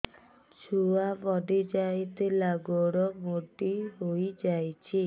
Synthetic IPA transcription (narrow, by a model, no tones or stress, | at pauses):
t͡ʃʰuabɔɖid͡ʒajt̪ʰilaɡɔɽɔmoʈiɦojd͡ʒajt͡ʃʰi